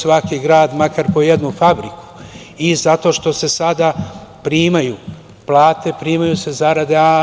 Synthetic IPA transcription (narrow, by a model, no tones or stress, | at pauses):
sʋakiɡɾaːd̪makaɾpo̞jed̪nufabɾiku̥ | izat̪o̞ːʃt̪o̞se̞sad̪apɾiːmaju | plˠaːt̪e̞pɾiːmajuse̞zaɾad̪ea